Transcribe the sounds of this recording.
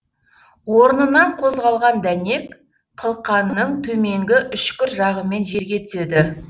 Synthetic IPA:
woɾənənɑɴqʰo̞zʁɑlˠʁɑnd̪æne̞k | qʰəlˠqɑnːəɴt̪ʰɵme̞ŋɡʲɪʔʏʃkʲɪɾʒɑʁəme̞nʒe̞ɾɡʲe̞t̪ʰʏ̥se̞d̪ɪ

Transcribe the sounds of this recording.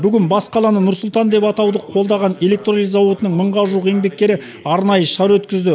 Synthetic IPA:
bʏɡʲɪnbɑsqʰɑlˠɑnənʊɾsʊlˠt̪ɑnd̪e̞pɑt̪ɑwd̪əqʰo̞lˠd̪ɑʁɑne̞lʲe̞k̚t̪ronijzɑwot̪ənəŋməɴʁɑʒuəqe̞ŋbe̞k̚ʲkʲːe̞ɾɪ | ɑɾnɑjəʃɑɾwɵt̪kʲɪzd̪ɪ

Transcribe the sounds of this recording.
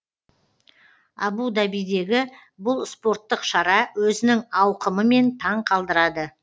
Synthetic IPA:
ɑ̰bud̪ɑbijd̪e̞ɡʲɪ | bʊlˠspo̞ɾt̪ːəqʃɑɾɑwɵzɪnɪŋɑwqəməme̞nt̪ʰɑɴqʰɑlˠd̪əɾɑd̪ə

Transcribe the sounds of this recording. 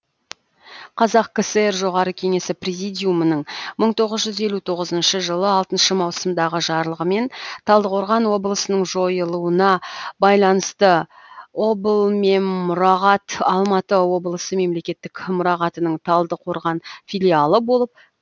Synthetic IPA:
qʰɑzɑqkəseeɾʒo̞ʁɑɾəkʲʰe̞ŋe̞sɪprʲezijd̪ijumənəɴməɴt̪ʰo̞ʁəzʒʏze̞lʲut̪ʰo̞ʁəzənʃəʒəlˠəɑlˠt̪ənʃəmɑwsəmd̪ɑʁəʒɑɾlˠəʁəme̞nt̪ʰɑlˠd̪əqoɾʁɑnwo̞blˠəsənəɴʒo̞jəlˠuənɑbɑjlˠɑnəst̪əwo̞bəlˠme̞nmʊɾɑʁɑt̪ɑlˠmɑt̪əwo̞blˠəsəme̞mle̞kʲe̞t̪ːɪkmʊɾɑʁɑt̪ənəɴt̪ʰɑlˠd̪əqʰo̞ɾʁɑnfijlʲialˠəbo̞lˠəp̚

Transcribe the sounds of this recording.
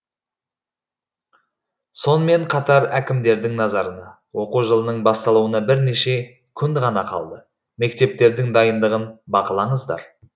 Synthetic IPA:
so̞nəme̞ɴqʰɑt̪ɑɾækʲɪmd̪e̞ɾd̪ɪŋnɑzɑɾənɑ | wo̞quʒəlˠənəɴbɑst̪ɑlˠuwənɑbɪɾne̞ʃe̞ | kʲʰʏnd̪ʁɑnɑqʰɑ̰lˠd̪ə | me̞k̚t̪e̞p̚t̪e̞ɾd̪ɪŋd̪ɑjənd̪əʁənbɑqəlˠɑɴəzd̪ɑ̰ɾ

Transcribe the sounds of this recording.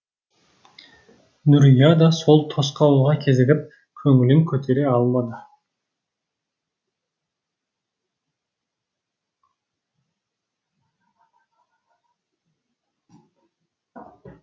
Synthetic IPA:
nʊɾjɑd̪ɑso̞lˠt̪ʰo̞sqɑw̪ˠuʁɑkʲʰe̞zɪɡʲɪp̚ | kʲʰɵŋɪlɪŋkʲʰɵt̪ʰe̞ɾe̞ɑlˠmɑd̪ə

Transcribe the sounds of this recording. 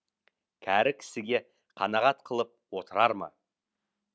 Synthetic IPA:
kʲʰæɾɪkʲʰɪ̥sɪɡʲe̞ | qʰɑnɑʁɑt̪qʰəlˠəp̚wo̞t̪əɾɑɾmɑ̰

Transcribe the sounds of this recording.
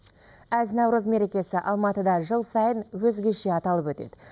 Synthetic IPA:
æznɑwɾuzme̞ɾe̞kʲe̞sɪʔɑlˠmɑt̪əd̪ɑʒəlˠsɑjənwɵzɡʲe̞ʃe̞ɑt̪ɑlˠəpwɵt̪e̞̰d̪̥ɪ

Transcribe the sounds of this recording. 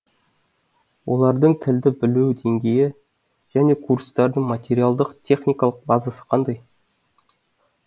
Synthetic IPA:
wʔo̞̰lˠɑɾd̪əɴt̪ʰɪld̪ɪbɪluwd̪e̞ŋɡʲe̞jɪ | ʒ̥æne̞kʰurst̪ɑɾd̪əɴmat̪ʲe̞ɾijalˠd̪əqt̪ʲʰe̞χnʲijkɑlˠəq̚bɑzəsə̥qʰɑnd̪ɑj

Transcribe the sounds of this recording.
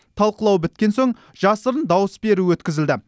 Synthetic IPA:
t̪ʰɑlˠqəlˠɑwbɪt̪kʲe̞nso̞ɴ | ʒɑsəɾənd̪ɑwəsbe̞ɾuwɵt̪kʲɪzɪld̪ɪ

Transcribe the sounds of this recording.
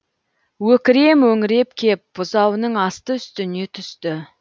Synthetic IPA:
wɵkʲɪɾe̞mwɵŋɪɾe̞pkʲʰe̞p̚b̥ʊzɑwənəɴɑst̪əʏst̪ɪne̞t̪ʰʏst̪ɪ

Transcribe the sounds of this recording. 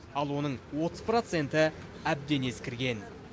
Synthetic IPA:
ɑlˠwo̞nəɴwo̞t̪əz̥pro̞t̪se̞nt̪ɪ | æb̚d̪e̞ne̞skʲɪɾɡʲe̞n

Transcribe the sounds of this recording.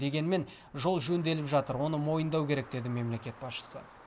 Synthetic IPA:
d̪e̞ɡʲe̞nme̞n | ʒo̞lˠʒɵnd̪e̞lɪpʒɑt̪əɾwo̞nəmo̞jənd̪ɑwkʲe̞ɾe̞k̚d̪e̞d̪ɪme̞mle̞kʲe̞t̪̚bɑsʃə̥sə̰

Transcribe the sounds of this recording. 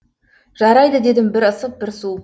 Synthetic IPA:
ʒɑɾɑjd̪əd̪e̞d̪ɪmbɪɾəsəp̚bɪɾsu

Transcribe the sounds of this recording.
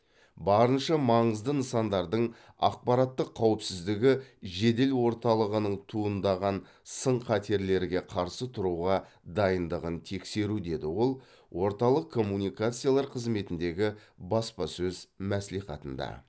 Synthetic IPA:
bɑɾənʃɑmɑɴəzd̪ənəsɑnd̪ɑɾd̪əɴ | ɑ̰q̚pɑɾɑt̪ːəqʰːɑwəpsɪzd̪ɪɡʲɪʒe̞d̪e̞lwo̞ɾt̪ɑlˠəʁənəɴt̪ʰuənd̪ɑʁɑn | səɴqʰɑt̪e̞ɾle̞ɾɡʲe̞qʰɑɾsət̪ʰʊɾuʁɑ | d̪ɑjənd̪əʁənt̪ʰe̞kse̞ɾud̪e̞d̪ɪwo̞lˠ | wo̞ɾt̪ɑlˠəqʰːo̞mːunijkat̪sɨjalˠɑɾqʰəzme̞t̪ɪnd̪e̞ɡʲɪ | bɑspɑsɵzmæsliχɑ̰t̪ənd̪ɑ̰

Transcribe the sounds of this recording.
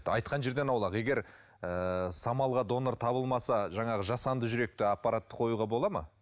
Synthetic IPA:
ɑjt̪̚qɑnʒe̞ɾd̪e̞nɑwlˠɑqe̞ɡʲe̞ɾ | əsɑmɑlˠʁɑd̪o̞noɾt̪ʰɑbəlˠmɑsɑʒɑɴɑʁəʒɑsɑnd̪əʒʏɾe̞k̚t̪ɪɑpːɑɾat̪ːə̥qʰo̞juʁɑbo̞lˠɑmɑ̰

